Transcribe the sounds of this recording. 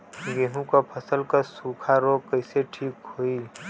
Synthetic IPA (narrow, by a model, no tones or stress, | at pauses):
ɡeːɦũkapʰəsəlkasuːkʰaɾokəɪseʈʰiːkɦoːiː